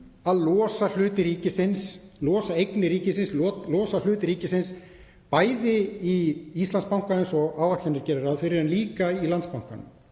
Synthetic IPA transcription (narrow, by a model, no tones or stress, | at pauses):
aðlɔːsal̥ʏːt̪ɪɾiːcɪsɪnslɔːsaejknɪɾiːcɪsɪnslɔlɔːsal̥ʏːt̪ɪɾiːcɪsɪns | paːjðɪiist̪anspawŋ̥kaðɪnsɔɣaːwvat̪ɪnɪɾ̥cɛːɾɪɾaðfɪɾɪɾɛnliːkailant̪spawŋ̥kanːʏm